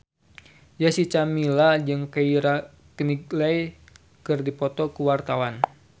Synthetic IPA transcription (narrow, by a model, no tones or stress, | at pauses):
jasit͡ʃamilad͡ʒɨŋkaiɾa | kəniɡlaj | kɨrdipɔt̪ɔkuwart̪awan